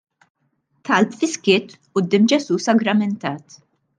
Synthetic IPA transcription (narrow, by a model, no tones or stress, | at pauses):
t̪ʰɐlpfɪskɪːt̪ | ʊd̪ːɪːmd͡ʒɛsuːsɐɡɾɐmɛnt̪ɐːt̪